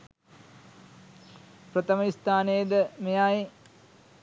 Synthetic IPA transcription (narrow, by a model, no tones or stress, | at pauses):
prɐt̪ɐmɐist̪aːneːd̪əmejaːi